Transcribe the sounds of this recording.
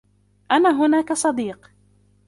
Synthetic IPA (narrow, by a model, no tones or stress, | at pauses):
ʔanaːɦʊnaːkasˤɑd̪iːq